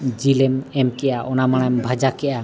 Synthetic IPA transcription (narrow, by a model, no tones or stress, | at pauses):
d͡ʒilɛmɛmkɛʔaʔɔnamaɽ̃ambʱad͡ʒakɛʔa